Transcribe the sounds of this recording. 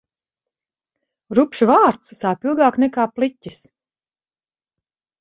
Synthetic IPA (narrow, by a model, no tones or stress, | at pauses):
ɾupʃvaːɾt̪ssaːpilˠɡaːknɛkaːplˠitʲis